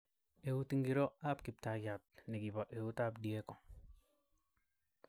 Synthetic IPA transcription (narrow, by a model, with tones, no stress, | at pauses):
e˨u˦ti˦ŋɡi˨ɾɔ˦a˦pki˨p̚ta˨ɡa˨t̚ni˨ɡi˨ba˨ʔe˨wu˦ta˦pdi˨e˦kɔ˨